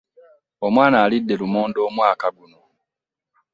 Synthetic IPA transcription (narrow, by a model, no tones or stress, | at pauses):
omwaːnaːlidːe̞lumoːndo̞ːmwaːkaɡuno̞